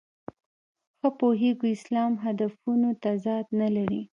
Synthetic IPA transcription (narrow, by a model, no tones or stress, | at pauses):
xəpoɦeɡoɪslɑmɦad̪afunot̪azɑd̪nalaɾi